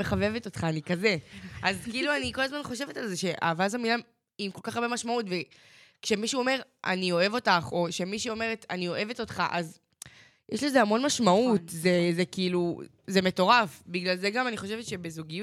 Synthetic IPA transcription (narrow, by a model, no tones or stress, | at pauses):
meχave̞vetotχaːnikaze̞ʔazkiiluaniko̞lazmanχo̞ʃe̞vetalzeʃe̞ʔa̰vazamilam | imko̞lkaχaʁbe̞maʃmautve̞ | kʃe̞miʃuome̞ʁ | ʔa̰nio̞evo̞taχo̞ʃe̞miʃuo̞me̞ʁetʰanio̞ʔe̞veto̞tχaʔaz | jeɛʃlezeamo̞nmaʃmautzezekiilu | ze̞me̞to̞ʁafbiɡlalzeɡamaniχo̞ʃ̬evetʃe̞bezuɡiju